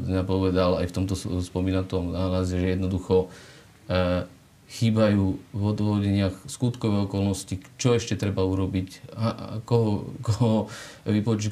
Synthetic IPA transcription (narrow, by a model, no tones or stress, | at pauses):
ɲapɔʋɛd̪ala̰jft̪ɔmt̪ɔspɔmiːnat̪ɔmnaːlazɛʒɛjɛd̪nɔd̪uxɔ | xiːbajuːvɔd̪ʋɔʋɔɟɛɲɪaxskut̪kɔʋɛɔkɔlnɔscit͡ʃɔɛʃcɛt̪ɾɛbauɾɔbicakɔɦɔkɔɦɦɔʋipɔt͡ʃu